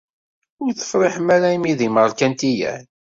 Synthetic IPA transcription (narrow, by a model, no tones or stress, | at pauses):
ʊɾθə̥fɾˤɪħmæɾaimiðiməʁlkænt̪ijæ̰n